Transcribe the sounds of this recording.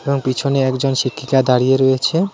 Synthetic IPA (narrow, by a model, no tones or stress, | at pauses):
eboŋpit͡ɕʰoneɛkd͡ʑonʃikʰːikad̪aɽijeɾɔet͡ɕʰe